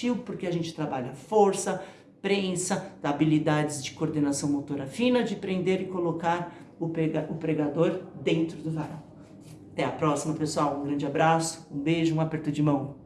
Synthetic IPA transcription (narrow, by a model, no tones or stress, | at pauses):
iwpoɾkeaʒẽnt͡ʃɪ̥t̪ɾabaʎɐfoɾsɐ | pɾẽsɐd̪abilid̪ad͡ʒɪzd͡ʒɪkoɾd̪enasɐ̃w̃mot̪oɾɐfĩnɐd͡ʒɪpɾẽnd̪eɾɪkolokaɾ | ʊpɾeɡaʊpɾeɡad̪oɾd̪ẽnt̪ɾʊd̪ʊkaɾɐ̃w | at̪ɛɐpɾɔsimɐpesuawũɡɾɐ̃nd͡ʒɪabɾasʊ̥ũbeʒʊũapeɾt̪ʊd͡ʒɪmɐ̃w̃